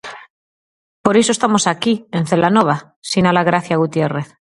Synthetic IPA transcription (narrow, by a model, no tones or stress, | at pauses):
po̞ɾes̬oest̪amo̞sakie̞nθe̞lanoβ̞a | sinalaɣɾaθjaɣut̪je̞re̞θ